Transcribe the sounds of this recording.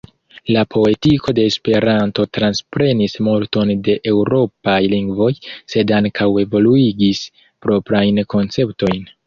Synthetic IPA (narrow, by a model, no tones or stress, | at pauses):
lapʰo̞e̞tiko̞de̞ːspe̞ɾanto̞tɾanspɾe̞nismolto̞nde̞ʔe̞wɾo̞pajliŋɡvo̞jse̞daŋkʰawe̞vo̞luiɡis | pɾo̞pɾajnko̞nt͡se̞pto̞jn